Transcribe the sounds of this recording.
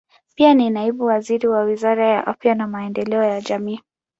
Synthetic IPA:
pianinaiɓuwaziɾiwawizaɾajaʔafjanamaɛndɛlɛɔjaʄamiː

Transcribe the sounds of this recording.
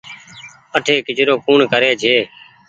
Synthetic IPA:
əʈʰeːkɪd͡ʒɾoːkuːɳkəɾeːd͡ʒʱeː

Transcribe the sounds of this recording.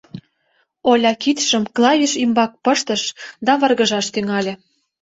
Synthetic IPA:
olʲɑkit̪ʃəmklˠɑvʲiʃimbɑk̚pəʃt̪ə̆ʃd̪ɑβɤ̆rɣə̆ʒɑʃt̪yŋɑlʲĕ

